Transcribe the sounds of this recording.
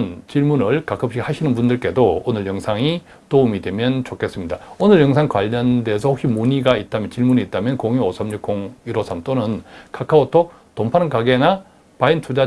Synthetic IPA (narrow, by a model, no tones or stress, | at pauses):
nt͡ɕiɭmunɯɭkak͈ʰɯp̚ɕ͈ʰiɡhaɕʰinɯnbundɯɭk͈e̞doonɯɭjʌŋsʰaŋi | toumidwe̞mjʌnt͡ɕokʰe̞s͈ɯmɲidaonɯɭjʌŋsʰaŋkwaʎːʌnde̞sʰʌhokɕ͈ʰimuɲiɡait̚t͈amjʌnt͡ɕiɭmuniːt̚t͈amjʌnkoŋiosʰʌmɲuk͈̚oŋiɾosʰamt͈onɯnkakʰaotʰo | tompʰanɯnkaɡena | paintʰud͡ʑa